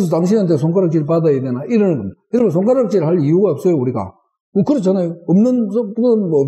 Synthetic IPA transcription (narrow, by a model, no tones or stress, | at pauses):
s̬ʰʌtaŋɕʰinɦantʰesʰoŋkʰaɾak̚t͡ɕ͈iɾɭpadajedenaʔiɾʌnkʌmiɾɯmens̬ʰoŋkʰaɾak̚t͡ɕ͈iɾɭhaɭiuɡaʌp̚s͈ʌjouɾiɡa̰ | ɯkɯɾʌt͡ɕʰanajoʌmnɯnspuɯnmːp